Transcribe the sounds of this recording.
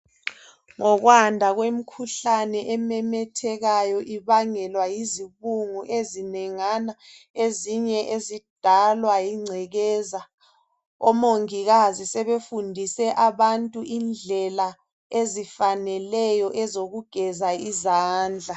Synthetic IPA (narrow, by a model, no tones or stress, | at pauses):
ŋɔɣwandʱaɣwem̩kʰuɬanɛʔɛmɛmɛtʰɛɣajɔʔiβaŋɛlwajiziβuŋuʔezinɛŋana | eziɲɛʔezid̥ʱalwajiŋ͡ǀʱɛɣɛːza | ɔmoŋiɣazisɛβefundʱisɛʔaβantʼuʔind͡ɮʱɛla | ezifanɛlɛjɔʔɛzoɣuɡ̥ʱɛzaizaːnd͡ɮʱa